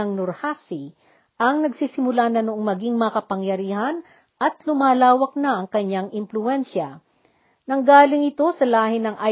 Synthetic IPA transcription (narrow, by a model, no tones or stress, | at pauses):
ɐŋnʊɾhasi | ʔɐŋnɐɡsiːsɪmʊlanɐnʊʔoŋmɐɡiŋmɐŋɐkɐpɐŋjɐɾiːhɐn | ʔɐt̪lʊmaːlaːwɐk̚nɐʔɐŋkɐɲːaŋʔɪmplʊɛnʃɐ | nɐŋɡaːlɪŋɪt̪o̞sɐlaːhɪnɐŋʔa